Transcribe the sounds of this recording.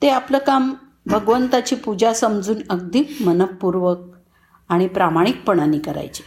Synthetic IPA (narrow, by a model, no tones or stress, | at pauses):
t̪eapləːkam | bʱəɡʋənt̪at͡ɕiːpud͡ʑasəmd͡zuːnəɡ̚d̪iːmənəp̚pːuɾʋək̚ | aɽ̃ipɾamaɽ̃ik̚pəɽ̃aniːkəɾa̰jt͡ɕe̥